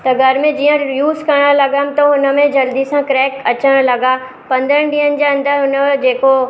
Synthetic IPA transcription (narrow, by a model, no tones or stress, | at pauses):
t̪ɐɡʱɐɾmẽd͡ʑiːə̃juːzkɐɾɽ̃əlɐɡəmɪ̆t̪ɐɦʊnə̆mẽd͡ʑɐld̪isãkɾɛːkɐt͡ɕəɽ̃lɐɡa | pɐ̃nd̪əɽ̃ɖ̪iːɦənɪ̆d͡ʑeːɐ̃nd̪əɾɦʊnəd͡ʑeːko